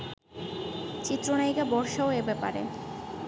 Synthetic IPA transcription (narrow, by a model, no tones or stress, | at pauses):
t͡ɕit̪ːɾonajkabɔɾʃaoebɛpa̰ɾḛ